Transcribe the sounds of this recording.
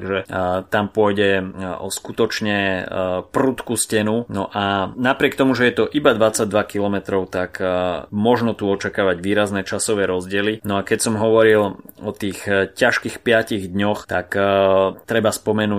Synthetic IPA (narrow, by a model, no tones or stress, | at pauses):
ɡʒɛt̪ampʊɔjɟɛɔskut̪ɔt͡ʃɲɛprut̪kuscɛnunɔʔanapɾɪɛk̚t̪ɔmuʒɛjɛt̪ɔʔibad̪ʋat͡saɟd̪ʋakilɔmɛt̪ɾɔʊt̪akmɔʒnɔt̪uɔt͡ʃakaːʋaɟʋiːɾaznɛt͡ʃasɔʋɛːɾɔzɟɪɛlinɔakɛcsɔmɦɔʋɔɾilɔt̪iːxcaʃkixpɪaciɣd̪ɲɔxt̪ak | t̪ɾɛbaspɔmɛnuː